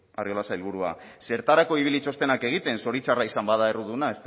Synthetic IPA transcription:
ario̞lasailβuɾua̰se̞ɾt̪aɾako̞iβilit͡ʃo̞st̪e̞nake̞ɣ̞it̪e̞nso̞ɾit͡ʃaraisambað̞aeruðunae̞st̪

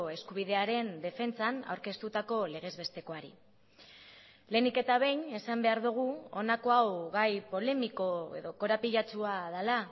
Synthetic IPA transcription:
e̞skuβiðe̞aɾe̞nd̪e̞fe̞nt͡sana̰wɾke̞st̪ut̪ako̞le̞ɣ̞e̞zβe̞st̪e̞ko̞aɾḭ | le̞nike̞t̪aβ̞ejne̞sambe̞aɾðuɣ̞uo̞nako̞awɣajpo̞le̞miko̞e̞̰ðo̞ko̞ɾapiʎat͡ʃuað̞ala

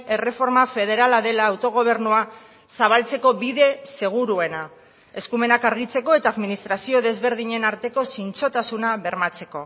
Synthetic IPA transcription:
e̞re̞fo̞ɾmafe̞ðe̞ɾalaðe̞laːwt̪o̞ɣ̞o̞β̞e̞ɾnua | saβ̞alt͡se̞ko̞βiðe̞se̞ɣ̞uɾue̞na | e̞skume̞nakaɾɣ̞it͡se̞ko̞et̪aːðminist̪ɾasio̞ðe̞zβe̞ɾðiɲe̞naɾt̪e̞ko̞sint͡so̞t̪asunaβe̞ɾmat͡se̞ko̞

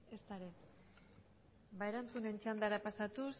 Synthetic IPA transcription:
e̞st̪aɾe | baeɾant͡sune̞nt͡ʃand̪aɾapasat̪us

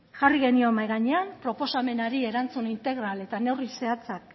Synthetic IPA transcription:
ʝariɣe̞niomajɣaɲe̞ampɾo̞po̞same̞naɾie̞ɾant͡sunint̪e̞ɣɾale̞t̪ane̞wrise̞at͡sak

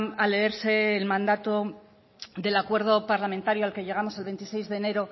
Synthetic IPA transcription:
ale̞eɾse̞ːlmãnd̪at̪o̞ | ðe̞lakwe̞ɾð̞o̞paɾlamẽnt̪aɾjoalke̞ʎe̞ɣ̞amo̞se̞lβe̞nt̪ise̞jzðe̞ːne̞ɾo̞

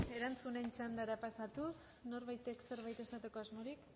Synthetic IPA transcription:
e̞ɾant͡sune̞nt͡ʃand̪aɾapasat̪us | no̞ɾβajt̪e̞kse̞ɾβajt̪e̞sat̪e̞ko̞azmo̞ɾik

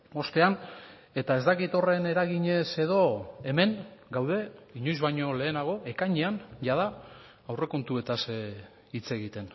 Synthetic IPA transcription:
o̞st̪e̞an | e̞t̪ae̞zd̪akit̪o̞re̞ne̞ɾaɣiɲe̞se̞ðo̞e̞me̞ŋɡawðe̞iɲo̞jzβajɲo̞le̞ːnaɣ̞o̞ʔe̞kaɲeanʝaða | awre̞ko̞nt̪ue̞t̪as | it͡se̞ɣit̪e̞n

